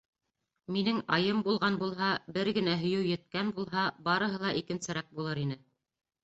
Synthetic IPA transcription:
minɘŋɑjɤmbulˠʁɑnbulˠɦɑbɘɾɡɘ̆næɦɵ̆jɘwjɘ̆t̪̚kænbulˠɦɑbɑɾɤ̆ɦɤlˠɑʔikɘ̆nsɘ̆ɾɑk̚bulˠɤɾin̪ɘ

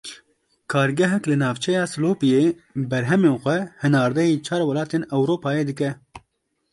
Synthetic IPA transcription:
kʰɑːɾɡɛɦɛklɨnɑːvt͡ʃʰɛjɑːsɨloːpijeːbɛɾɦɛmeːnxʷɛhɛnɑːɾd̪ɛjiːt͡ʃʰɑːɾwɐlɑːt̪eːnɛwɾoːpɑːjeːd̪ɨkɛ

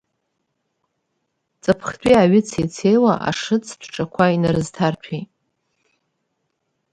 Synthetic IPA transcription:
t͡sʼapʰχtʼiaɥɪt͡sʰejt͡sʰejwaʔa̰ʂɨt͡sʰtʷʰʈ͡ʂʼakʷʰainaɾɨztʰartʷʰi

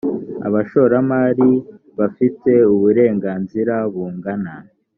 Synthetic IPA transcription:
a̰βaʃo̞ɾamaːɾi | βafite̞uβuɾe̞ːŋɡaːnziɾaβuːŋɡana

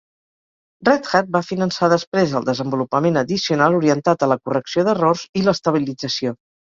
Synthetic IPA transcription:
rrɛt̪xat̪̚bafinənsaðəspɾezəlˠd̪əzəmbulupəmenəðisiunalˠuɾiənt̪at̪ələkurəksioðərorziləst̪əβ̞ilid͡zəsio

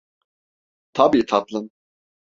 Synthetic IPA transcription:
t̪ʰabiːt̪ʰat̪lˠɯn

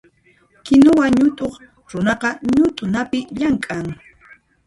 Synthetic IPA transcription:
kɪnowaɲʊt̪ʼoχ | ɾʊnɑqɑɲʊt̪ʼʊnapɪʎaŋkʼaŋ

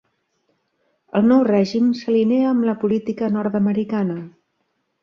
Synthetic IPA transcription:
əlˠnɔwrɛʒimsəlineəːmləpulit̪ikənɔɾt̪əməɾikanə

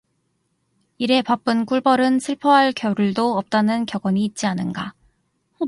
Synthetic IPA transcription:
iɾe̞pap͈ɯnk͈uɭbʌɾɯnsʰɯɭpʰʌɦaɭkjʌɾuɭdoʌp̚t͈anɯnkjʌɡwʌɲiːt̚t͡ɕ͈ianɯnɡa

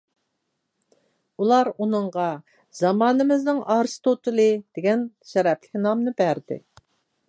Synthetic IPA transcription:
ulˠɑɾunɨɴʁɑ | zɑmɑːnɨmɪznɪŋʔɑɾst̪ʰot̪ɨlˠɨd̪̥ɪɡʲɛn | ʃɛɾɛplɪkʲnɑmnɨbæɾd̪ɪ̰

